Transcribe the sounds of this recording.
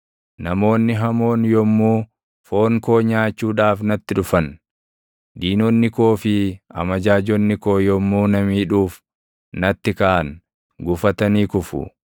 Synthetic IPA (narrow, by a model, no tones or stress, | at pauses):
nɐmo̞ːnːɪɦɐmo̞ːnjɔmːuː | fo̞ːŋkoːɲaːt͡ʃːuːᶑaːfnɐt̪ːɪᶑʊfɐn | d̪iːnɔnːɪko̞ːfɪɐ̰mɐd͡ʒaːd͡ʒɔnːɪko̞ːjɔmːuːnɐmiːᶑuːf | nɐt̪ːɪkɐʔɐn | ɡʊfɐt̪ɐniːkʊfʊ̰